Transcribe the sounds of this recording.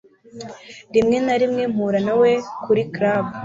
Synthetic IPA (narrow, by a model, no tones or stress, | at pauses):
ɾimŋe̞naɾimŋe̞m̥huɾanawekʰuɾikɾab